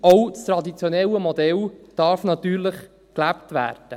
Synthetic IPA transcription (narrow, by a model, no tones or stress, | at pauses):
owt͡stɾɑdit͡sjonɛləmodɛld̥ɑɾfnɑt̪yːɾləχ | klæptʋæ̰ːrd̥ə